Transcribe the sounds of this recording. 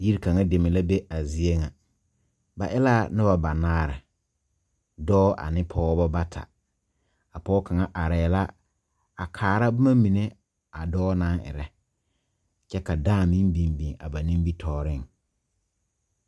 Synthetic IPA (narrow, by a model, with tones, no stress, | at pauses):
ji˦ɾka˨ŋa˦de˨mɪ˨la˦be˦a˨zi˨e˦ŋa˨ | ba˨ʔɛ˦la˦˨nʊ˦ba˨ba˨naː˦ɾɪ̰˨ | dɔː˦ʔa̰˨nɪ˦pʰɔː˦bɔ˦ba˦tʰa̰˨ | a˨pɔː˦ka˨ŋa˦ʔa˨ɾɛː˨la˦ | a˨kʰaː˨ɾa˦bʊ˦ma˦mi˨ne˦ | a˨dɔː˦na˦ŋɪ̰˨ɾɛ˨ | t͡ʃɛ˦ka˨daː˦˨mĩ˦bĩ˨bĩ˨ŋa̰˨ba˨nĩ˦mbi˦tʰɔː˨ɾɪ˦˨ŋ